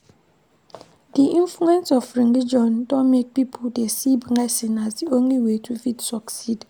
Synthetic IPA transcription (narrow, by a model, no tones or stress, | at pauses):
diʔĩnfluɛ̃nsɔfɹinlid͡ʒɔ̃ndɔmed̚pipʰɔdesibŋasĩnasdiõnliwetʰufitsɔksid